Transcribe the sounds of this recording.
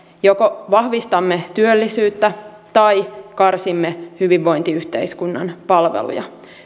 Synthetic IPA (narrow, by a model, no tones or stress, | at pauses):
jo̞koʋɑhʋist̪ɑmːet̪yølːisyːt̪ːæ | t̪ɑjkɑrsimːehyʋiʋːo̞jnt̪iyht̪e̞̰jskunːɑ̰npɑlʋḛlṵjɑ̰